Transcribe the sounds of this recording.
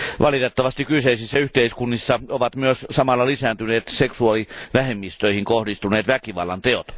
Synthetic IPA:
ʋʔɑlit̪et̪ːɑʋɑst̪ikyseisisːɑyht̪eiskunːisːɑoʋɑt̪myøssɑmɑlːɑlisæːnt̪yneːt̪seksuɑliʋæhemːist̪øihiŋkohdist̪uneːt̪ʋækiʋɑ̰lːɑ̰nt̪eot̪

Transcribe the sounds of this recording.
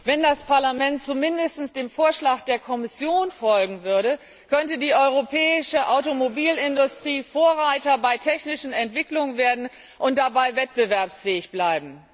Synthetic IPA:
vɛndaspʰaɐlamɛnt̚t͡sumɪndəstn̩sd̥eːmfoːɐʃlaːxd̥eːɐkʰɔmɪsjoːnfɔlɡŋ̩vʏɐɾə | kʰœntədiːʔɔʏʁ̞opʰɛːɪʃəʔaʊtomobiːlɪndʊstʁ̥iːfoːɐʁaɪtɐbaɪtʰɛçnɪʃn̩ɛntv̥ɪklʊŋənveːɐdn̩ | ʔʊnt̚d̥abaɪvɛt̚b̥əvɛɐpsfɛːɪçb̥laɪbm̩

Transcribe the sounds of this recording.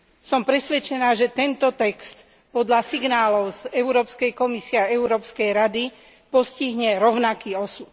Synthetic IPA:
sɔmpɾɛsʋɛt͡ʃɛnaːʒɛt̪ɛnt̪ɔt̪ɛkst̪ | pɔd̪ʎasiɡnaːlɔʊzɛʊɾɔːpskɛjkɔmisiɛaɛuɾɔːpskɛjɾad̪i | pɔsciɦɲɛɾɔʊnakiːɔsut̪

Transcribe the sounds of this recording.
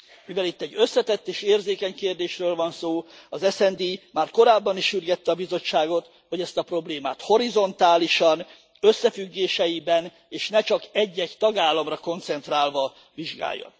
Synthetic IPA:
mivɛlit̪ːɛɟːø̞sːɛt̪ɛt̪ːeːʃeːrzeːkɛɲkeːrd̪eːʃrøːlvɒnsoː | ɒzɛsɛnd̪imaːrko̞ɾaːbːɒniʃyrɡɛt̪ːɛɒbizo̞t͡ʃːaːɡo̞t̪ | ho̞ɟɛst̪ɒpro̞bleːmaːt̪ho̞ɾizo̞nt̪aːliʃɒn | øsːɛfyɡːeːʃɛjibɛn | eːʃnɛt͡ʃɒkɛɟːɛɟt̪ɒɡaːlːɒmrɒko̞nt̪sɛnt̪raːlvɒ | viʒɡa̰ːjːo̰n

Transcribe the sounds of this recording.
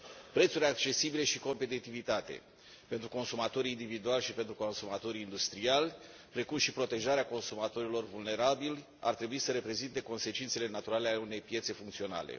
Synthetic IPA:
pɾe̞t̪suɾʲak̚t͡ʃe̞sibile̞ʃiko̞mpe̞t̪it̪ivit̪at̪e̞̰ | pe̞nt̪ɾuko̞nsumat̪o̞ɾiːnd̪ivid̪ualʲʃipe̞nt̪ɾuko̞nsumat̪o̞ɾiːnd̪ust̪ɾialʲpɾe̞kumʃipɾo̞t̪e̞ʒaɾeako̞nsumat̪o̞ɾilo̞rvulne̞ɾabilʲ | a̰rt̪ɾe̞buisəɾe̞pɾe̞zint̪e̞ko̞nse̞t͡ʃint̪se̞le̞nat̪uɾalealeune̞jpje̞t̪se̞fuŋkt̪sio̞na̰lḛ

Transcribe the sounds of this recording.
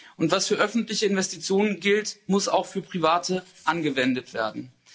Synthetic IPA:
ʔʊntv̥asfyːɐʔœfn̩tlɪçəɪnvɛstit͡sjoːnənɡɪltmʊsa̰ʊxfyːɐpʁ̥ivaːtʰəʔanɡəvɛndətv̥ḛːɐdn̩

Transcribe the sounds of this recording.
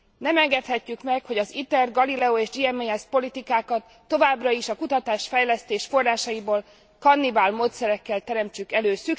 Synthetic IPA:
nɛmɛŋɡɛt̪hɛcːykmɛkho̞ɟɒzit̪ɛrɡɒlilɛoeːʒd͡ʒiɛmeɛspo̞lit̪ikaːkɒt̪ːo̞vaːbrɒiʃɒkut̪ɒt̪aːʃfɛjlɛst̪eːʃfo̞rːaːʃɒiboːl | kɒnːibaːlmoːt̪sɛɾɛkːɛlt̪ɛɾɛmt͡ʃykɛløːsy

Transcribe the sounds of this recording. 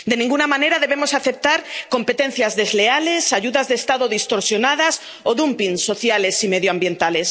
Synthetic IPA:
d̪e̞nĩŋɡunamãne̞ɾaðe̞βe̞mo̞saθe̞p̚t̪aɾko̞mpe̞t̪ẽ̞n̟θjazðe̞zle̞ale̞saʝuðazðeːst̪aðoðist̪o̞ɾsjo̞nað̞as | oðumpiŋso̞θjale̞sime̞ðjoambje̞nt̪ale̞s

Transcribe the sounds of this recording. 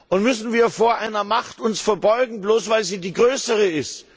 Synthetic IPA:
ʔʊntmʏsn̩viːɐfoːɐʔaɪnɐmaχtʊnsfɛɐbɔʏɡŋ̩bloːsv̥aɪlziːdiːɡʁøːsəʁəɪst

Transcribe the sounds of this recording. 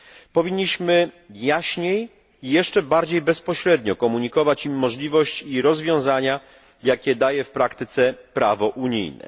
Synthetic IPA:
pɔvʲiɲːiɕmɘ | jaɕɲej | ijɛʂt͡ʂɛbaɾd͡ʑejbɛspɔɕɾɛd̪ɲɔkɔmuɲikɔvat͡ɕimːɔʐlʲivɔɕt͡ɕiɾɔzvʲjɔ̃w̃zaɲa | jakʲɛd̪ajɛfpɾakt̪ɘt̪sɛpɾavɔʔuɲḭjnɛ̰

